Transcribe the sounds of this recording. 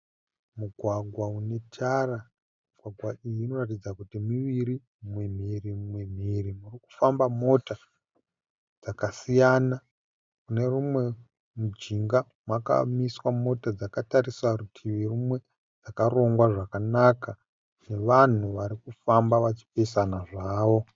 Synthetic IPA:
muɡʱwaɡʱwaune̞tʰara | muɡʱwaɡʱwaijiːno̞ratid͡zakutimiʋiɾi | mwem̤irimwem̤irimuriku̥fambamo̞ta | d͡zakasijana | kune̞rumwe̞ | mud͡ʒiŋɡa | mwaka̰miswamo̞tad͡zakataɾiswarutʰiʋirumwe̞ | d͡zakaro̞ŋɡwaʐakanaka | ne̞ʋan̤uʋaɾikufambaʋat͡ʃi̥pesanaʐaːʋo

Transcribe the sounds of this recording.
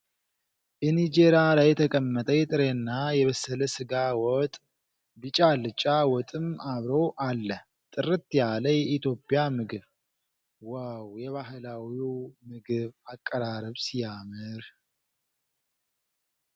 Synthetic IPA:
bɛnid͡ʒe̞ɾjalajɛt̪ʰəkʼəmːət̪ʼəjɛt̪ʼɨɾenːajɛβəsːələsɨɡawɔt̪ʼ | bɨt͡ʃʼalɨt͡ʃʼawɔt̪ʼɨmaβɾowʔalːə | t̪ʼɨɾɨt̪jaləjɛʔit̪ʰjo̞pʼːjamɨɡɨβ | wawjɛβaɦɨlawimɨɡɨβakʼːəɾaɾəβsijamɨɾ

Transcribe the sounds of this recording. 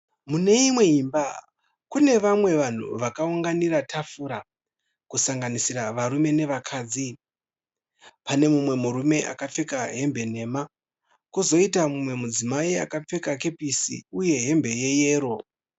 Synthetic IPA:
mune̞imwe̞imba | kune̞ʋamwe̞ʋan̤ṵʋakauŋɡaniɾatʰafuɾa | kusaŋɡanisiɾaʋaɾume̞ne̞ʋakʰaːd͡zi | pane̞mumwe̞muɾume̞ʔa̰kap͡fe̞kaɦe̞mbe̞ne̞ma | kuzo̞itamumwe̞mud͡zimaia̰kap͡fe̞kake̞pisḭuje̞ɦe̞mbe̞je̞je̞ːɾo̞

